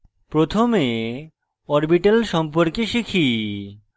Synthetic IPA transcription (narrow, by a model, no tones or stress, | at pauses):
pɾot̪ʰome | ɔɾbiʈalʃɔmpoɾkeʃikʰi